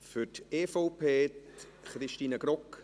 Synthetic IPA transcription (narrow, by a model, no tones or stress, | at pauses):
fʏteːfoʊpʰeː | χɾɪʃtiːnəɡ̥ɾɔk